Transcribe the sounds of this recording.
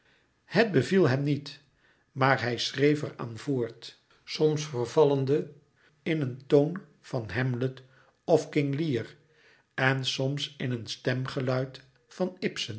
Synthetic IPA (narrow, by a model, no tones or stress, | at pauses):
həd̚bəvilˠɦɛmnit | maːɹɦɛjsrejfəra̰ːnvoːɹt | sɔmsfəɹvɑləndə | ɪnəntown | vɑnɦɛmlət | ɔfkɪŋliər | ɛnsɔmsɪnənstɛmχəlœɥt | fɑnɪpsən